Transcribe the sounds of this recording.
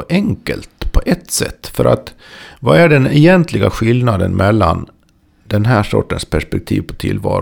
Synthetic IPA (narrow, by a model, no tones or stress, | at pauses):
ʔɛŋkəlt̪pʰɔʔɛt̪ːsɛt̪ːfœɾʔa̰t̪ | vaæɖɛnɛjɛnt̪ʰlɪɡaɧɪlnad̪ənmɛlːan | d̪ɛnɦæːʂɔ̰ʈːənspʰæʂpɛk̚t̪ʰḭːvpʰɔt̪ʰɪ̰lːvɑ̰ːɾ